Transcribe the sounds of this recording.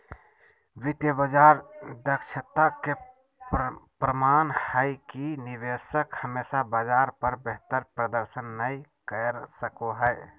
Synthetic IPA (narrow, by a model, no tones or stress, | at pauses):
ʋɪt̪jəbəd͡ʒaːɾd̪əkʃət̪ake | pɾəmaːnhaikinɪʋeːsəkhəmeːʃabaːd͡ʒaːɾpəɾbeɦt̪əɾpɾəd̪əɾʃənːəikəɾsəkoɦɛː